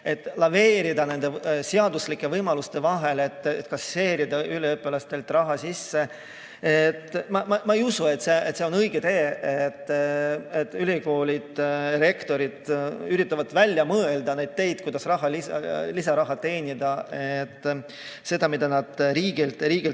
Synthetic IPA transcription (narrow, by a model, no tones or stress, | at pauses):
e̞t̪ːˑlɑve̞ːɾid̪ɑne̞nd̪̥e̞seɑd̪uslikːˑe̞vɤjmɑlust̪e̞vɑɦe̞le̞t̪ːet̪ːkɑse̞ːɾid̪ɑʔyleøpːˑelɑst̪e̞lt̪ːˑrɑɦɑsisːe̞ | et̪ːˑmɑmɑmɑejusue̞t̪ːˑseet̪seo̞nɤjɡ̥et̪e̞ːet̪ːet̪ːˑylʲiko̞ːlʲid̪̥re̞kt̪o̞ɾid̪̥yɾit̪ːˑɑvɑt̪vælʲjɑmɤeld̪̥ɑne̞jd̪̥̚t̪e̞jd̪̥̚kujd̪ɑsrɑɦɑlisɑlisɑɾɑɦɑt̪e̞ːnʲid̪̥ɑet̪ː | se̞d̪̥ɑmid̪̥ɑnɑd̪̥ɾiːɡilt̪ɾiːɡ̥il